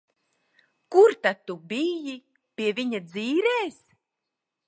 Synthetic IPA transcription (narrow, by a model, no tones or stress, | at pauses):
kuɾt̪at̪̚t̪ːubiji | pʲiɛviɲad̪ziːɾeːs